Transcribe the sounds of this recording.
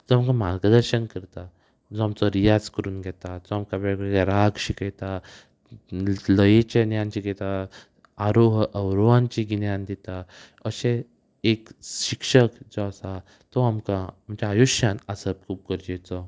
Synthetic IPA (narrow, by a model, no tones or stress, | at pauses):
d͡zɔamkamaɾɡəd̪əɾɕənkəɾt̪a | d͡zɔamt͡sɔɾijad͡zkəɾuːnɡʱɛt̪ad͡zɔamkabɛɡɾeɡeɾaɡɕikɛt̪a | ləjet͡ɕenjãnt͡ɕiɡɛt̪a | aɾoɦʔəwɾoʋãnt͡ɕiɡinjãnd̪it̪a | əɕẽ | ekɕikʂəkd͡zɔasa | t̪ɔamkaːmt͡ɕaːjuɕjanasəb̚kʰuːb̚kəɾd͡ʑet͡sɔ